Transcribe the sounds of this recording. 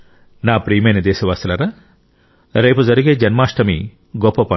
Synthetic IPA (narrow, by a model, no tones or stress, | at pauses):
naːpɾiːmɐjnɐd̪ɛːʃɐʋaːst̪ɐlɐɾaː | ɾejpud͡zɐɾiɡeːd͡ʒɐnmaːʂʈɐmḭ | ɡɔpːɐpɐ